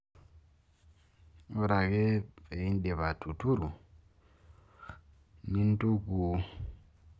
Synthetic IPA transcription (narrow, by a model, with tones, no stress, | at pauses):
o˦ɾa˨ke˦pe˨i˦n˦di˨βa˨tʰu˨tu˦ɾu˨ | ni˦n˦tu˦ku˦